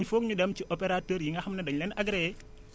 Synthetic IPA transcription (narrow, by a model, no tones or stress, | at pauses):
ɲfok̚ɲudɐmt͡ʃiʔɔpɛɾatoːɾjiŋɡaxɐmnɐdɐɲlɛnaɡɾɛ